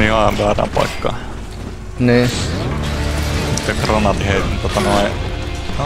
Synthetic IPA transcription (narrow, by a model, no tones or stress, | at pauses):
ihɑmpæˑræ̰mpɑ̰ˑikːɑ̰ | niː | mut̪jɑkronɑt̪iheˑit̪nint̪ot̪ɑnoi